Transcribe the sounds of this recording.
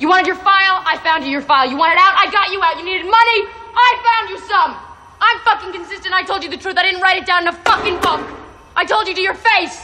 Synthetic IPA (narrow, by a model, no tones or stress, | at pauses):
jɨwɑ̃ɾ̃ɨdjə˞faɪlˠaɪfãʊ̃nd͡ʒɨjə˞faɪlˠjɨwɑ̃ɾ̃ɨɾaʊɾaɪɡɑt͡ʃɨaʊtjɨniɾɨd̚mʌni | aɪfãʊ̃nd͡ʒɨsʌ̃m | ʔãɪ̃ɱfʌkɪ̃ŋkɨ̃n̩sɪstɨ̃ntaɪtʰoʊlˠd͡ʒɨðɨtʰɹ̥ʉθaɪɾɪdⁿn̩ʔɹaɪɾɨt̚d̥ãʊ̃nnəfʌkɪ̃ŋfʌ̃k | ʔaɪtʰoʊlˠd͡ʒɨɾɨjə˞feɪs